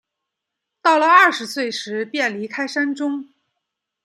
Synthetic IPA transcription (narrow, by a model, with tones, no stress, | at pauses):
t̪ɑ˥˩ʊlə˩ɐ˥˩ʂɻ̩˧˥swe˥˩ɪʂɻ̩˧˥pjɛ˥˩nli˧˥kʰa˥ɪʂa˥nʈ͡ʂʊ˥ŋ